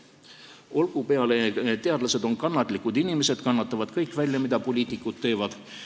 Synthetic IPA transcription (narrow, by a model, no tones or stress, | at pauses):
o̞lɡ̥upe̞ɑle̞t̪e̞ɑd̪̥lɑse̞d̪o̞nkɑnːɑt̪ːˑlikːˑud̪inime̞se̞d̪̥kɑnːɑt̪ːˑɑvɑd̪̥kɤjkˑvælʲjɑmid̪̥ɑpo̞lʲiːt̪ikːˑud̪̥̚t̪ːe̞ːvɑd̪̥